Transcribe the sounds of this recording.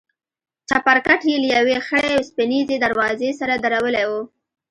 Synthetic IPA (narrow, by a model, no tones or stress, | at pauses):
t͡ʃapaɾkaʈjeljawexəɽewspɪnized̪aɾwɑzesaɾad̪aɾawəlewu